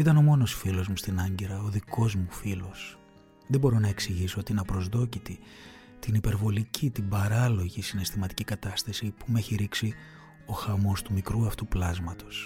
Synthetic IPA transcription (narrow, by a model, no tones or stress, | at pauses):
it̪ɐno̞mo̞no̞sfilo̞zmust̪inɐɲɟeɾɐoðiko̞zmufilo̞s | ðebo̞ɾo̞nɐe̞ksiʝiso̞ot̪inɐpɾo̞zðo̞cit̪i | t̪inipe̞ɾvo̞licʰit̪ibɐɾɐlo̞ʝisine̞st̪imɐt̪i̥cikɐt̪ɐst̪ɐsipume̞çiɾiksi | o̞xɐmo̞st̪umikɾuɐft̪uplɐzmɐt̪o̞̥s